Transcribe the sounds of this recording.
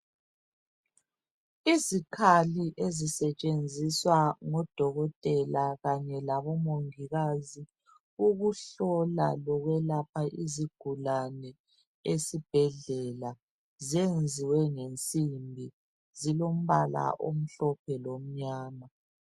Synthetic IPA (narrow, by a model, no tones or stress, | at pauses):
izikʰaliʔezisɛt͡ʃʼend͡zʱiswaŋɔd̥ʱɔɣɔtʼɛlaɣaɲɛlaβɔmoŋiɣazi | uɣuɬɔla̰lɔɣwɛlapʰaʔiziɡ̥ʱulanɛ | esib̥ʱɛɮɛla | ziend͡zʱiwɛŋent͡sʼimbʱi | zilom̩βala̰ʔo̰m̩ɬɔpʰɛlom̩ɲaːna